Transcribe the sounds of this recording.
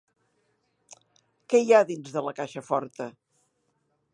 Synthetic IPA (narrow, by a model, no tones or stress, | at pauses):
kɛjaðinzðələkaʃəfɔɾt̪ə